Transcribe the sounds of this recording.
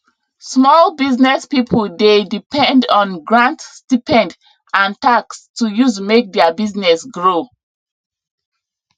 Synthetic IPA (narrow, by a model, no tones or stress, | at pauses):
smɔlbiznɛspipʰəldedipɛ̃ndɔ̃nɡɹãntstipɛ̃nd | ãntakstujuzmek̚dɛabiznɛsɡɹo